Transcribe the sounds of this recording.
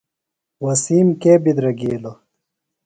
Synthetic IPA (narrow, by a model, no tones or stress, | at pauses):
wɐsiːmkeːbid̪ɾɐɡiːlo